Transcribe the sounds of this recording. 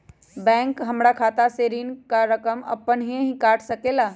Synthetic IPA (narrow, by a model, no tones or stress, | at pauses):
bɛ̃ːŋkɦɐmɾakʰaːt̪aseːɾiːnkaɾəkəmɐ̰pənɦĩɦĩkaːʈʰsɐkeːlaː